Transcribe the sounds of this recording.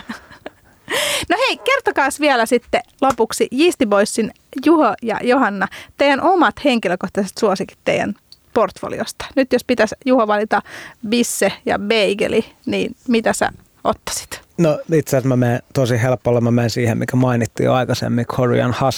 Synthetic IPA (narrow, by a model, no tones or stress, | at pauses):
noheikert̪okɑːsʋiælæsit̪ːelopuksijiːst̪iboisːin | juhojɑ̰johɑnːɑt̪eijænʔomɑt̪heŋkiløkoht̪ɑset̪suosiki̥t̪tḛiˑæ̰nport̪fo̰lḭo̰st̪ɑ̥nyt̪jospit̪æsjuhoʋɑlit̪ɑbisːejɑ̰beiɡḛliniːnmit̪æsæ̰ | ot̪ːɑ̥si̥t̪noit̪seæsmæmeːt̪osihelpːolːɑmæmeinsiːhemikæmɑinit̪ːḭo̰ɑikɑsḛmːikʰorḭɑ̰nhɑs